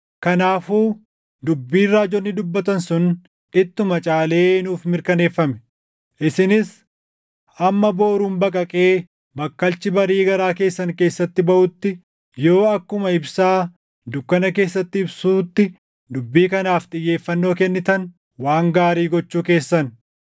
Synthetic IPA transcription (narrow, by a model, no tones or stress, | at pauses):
kɐnaːfuː | d̪ʊbːiːrːaːd͡ʒɔnːɪd̪ʊbːɐt̪ɐnsʊn | ɪt̪ːʊmɐt͡ʃʼaːle̞ːnuːfmɪɾkɐne̞ːfːɐmɛ̥ | ʔɪsɪnɪs | ʔɐmːɐbo̞ːɾuːnbɐkʼɐkʼe̞ː | bɐkːɐlt͡ʃɪbɐɾiːɡɐɾaːke̞ːsːɐŋke̞ːsːɐt̪ːɪbɐʔʊt̪ːɪ | jo̞ːɐkːʊmɐɪbsaː | d̪ʊkːɐnɐke̞ːsːɐt̪ːɪɪbsuːt̪ːɪ | d̪ʊbːiːkɐnaːft̪ʼɪjːe̞ːfːɐnːo̞ːkɛnːɪt̪ɐn | waːŋɡaːɾiːɡɔt͡ʃːuːke̞ːsːɐn